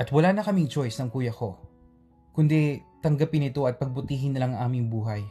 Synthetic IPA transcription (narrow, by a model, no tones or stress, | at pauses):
ʔɐt̪wɐlaːnɐkɐmɪŋt͡ʃo̞jsnɐŋkuːjɐko̞ | kʊnd̪ɛt̪ɐŋɡɐpɪnɪt̪o̞ʔɐt̪̚pɐɡ̚bʊt̪iːɦɪnːɐlɐŋɐŋʔaːmɪŋbuːɦɐj